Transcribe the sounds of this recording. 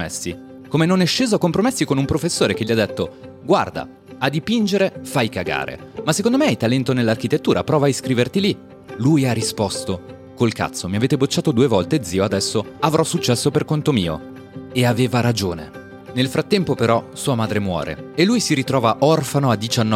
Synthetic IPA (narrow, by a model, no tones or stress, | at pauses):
ɛsːi | komenonɛʃːeːzoakompɾomesːikonumpɾofesːoːɾek̟eʎiad̪ːet̪ːo | ɡwa̰rd̪a̰ | ad̪ipind͡ʒeɾefajkaɡa̰ːɾḛ | masːe̥kond̪omeajt̪alɛnt̪onelːark̟it̪et̪ːuːɾʔapɾɔːvaiskɾiːvert̪ili | lujarːispɔst̪o | kolka̰t̪sːomiaveːt̪ebot͡ʃːaːt̪od̪uːevɔlt̪ed̪ziːoad̪ɛsːoavɾʔɔsːut͡ʃːɛsːoperkont̪omiːo̰ | eaveːvaɾad͡ʒoːnḛ | nelfɾat̪ːɛmpopeɾɔsuːamaːd̪ɾemwɔ̰ːɾḛelːujsiɾit̪ɾɔːvaʔɔrfanoad̪ːit͡ʃanːɔ